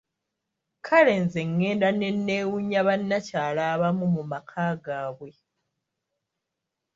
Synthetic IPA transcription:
kʰale̞ːnze̞ŋːe̞ːndane̞nːe̞ːwuɲːaβanːacaːlaːβamumumakʰaːɡaːβwe̞

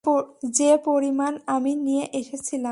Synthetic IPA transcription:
d͡ʑepoɾimanaminijeʔeʃet͡ɕʰila

